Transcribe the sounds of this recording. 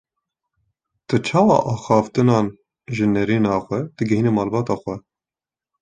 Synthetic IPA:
t̪ɨt͡ʃʰɑːwɑ̰ːʔɑːxɑːft̪ɨnɑːn | ʒɨnɛɾiːnɑːxʷɛd̪̥ɨɡɛɦiːnemɑːlbɑːt̪ɑːxʷɛ

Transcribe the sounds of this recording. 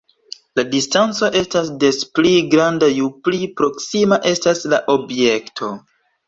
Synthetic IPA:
ladistant͡so̞ʔe̞stasde̞spliɡɾandajuplipɾo̞ksimaʔe̞staslaʔo̞bje̞ktʰo̞

